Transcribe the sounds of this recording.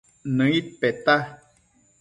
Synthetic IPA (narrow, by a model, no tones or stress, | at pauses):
nə̃it̪̚pet̪a